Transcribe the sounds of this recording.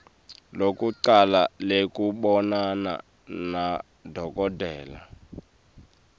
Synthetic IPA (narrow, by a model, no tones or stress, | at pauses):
lokuǀalalekuɓɔnana̰ | na | dʱɔkʼɔdʱɛːla̰